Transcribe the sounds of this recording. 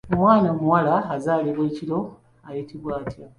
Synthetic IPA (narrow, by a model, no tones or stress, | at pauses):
omwaːnamuwalaːzaːliβweːcilo̞ | ajitʰiβwaːtja